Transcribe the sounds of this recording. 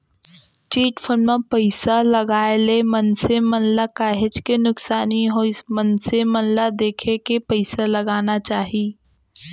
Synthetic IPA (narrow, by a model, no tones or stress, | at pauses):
t͡ʃiːʈfʰənmẽpɐɪsalɐɡaːelemɐnsemɐ̃nlakaːɦed͡ʒkenʊksaːniɦoɪsmɐnsemɐnlad̪eːkʰekepɐɪsalɐɡaːnat͡ʃaːɦiː